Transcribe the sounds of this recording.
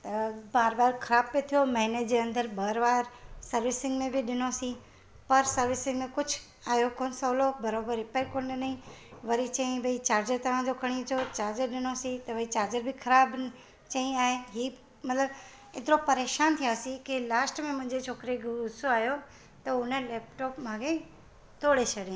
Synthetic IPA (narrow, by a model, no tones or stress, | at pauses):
t̪ɐbaːɾbaːɾkʰɐɾaːb̚pːet̪ʰijomɐ̃ɦɪnət̪d͡ʑeːɐ̃nd̪əɾbaːɾbaːɾsɐɾʋɪsɪ̃ŋɡmẽbɪɗɪnosĩ | pɐɾsɐɾʋɪsɪ̃ŋɡmẽkʊd͡ʑʱʊ | aːɦjokoːnsɐlobɐɾoːbəɾɪpaikoːnɗɪnĩʋɐɾit͡ɕɐ̃ĩbʱɐit͡ɕaːɾd͡ʑəɾt̪ɐʋ̤ãd͡ʑokʰɐɽ̃it͡ɕʰot͡ɕaːɾd͡ʑəɾɗɪnosĩt̪ɐʋɐit͡ɕaːɾd͡ʑəɾbɪkʰɐɾaːb | t͡ɕɐĩaːɦeɦiː | mɐt̪ləb | ɪt̪ɪɾopɐɾeːʃaːnt̪ʰijasĩkilaːsʈmẽmʊ̃ɦɪ̃ɲd͡ʑet͡ɕʰoːkɾeɡʊsoaːjo | t̪ɐʊnəlɛːpʈɔːpmãːɡe | t̪oːɽet͡ɕʰɐɽẽ